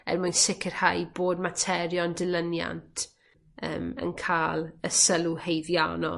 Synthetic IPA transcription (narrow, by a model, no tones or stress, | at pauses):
ɛ̰rmʊjnsɪkʰɪrhajboːd̚matʰɛɾjɔndɪlˠənja̰ntʰ | ə̰ːmə̰nkʰaːlˠəsəlˠuhejðja̰nɔ̰